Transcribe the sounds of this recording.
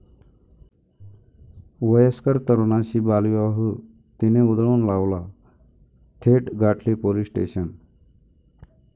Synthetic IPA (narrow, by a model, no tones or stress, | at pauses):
ʋəjəskəɾt̪əɾonaɕibaliaɦu | t̪ineud̪ɭuːnlaʋla | t̪ʰeʈɡʱaʈʰlipolisʈḛɕən